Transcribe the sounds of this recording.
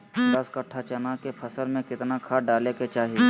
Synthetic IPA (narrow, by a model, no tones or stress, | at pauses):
d̪ɐskəʈʰːat͡ʃɐnakepʰɐsəlmẽkɪt̪nakʰaɖaːleket͡ʃaːɦi